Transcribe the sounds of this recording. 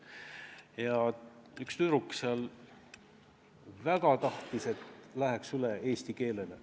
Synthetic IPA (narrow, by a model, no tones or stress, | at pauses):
jɑykst̪yɾukːseɑl | væɡ̥ɑt̪ɑht̪ise̞t̪læɦeksyleeːst̪ike̞ːle̞lḛ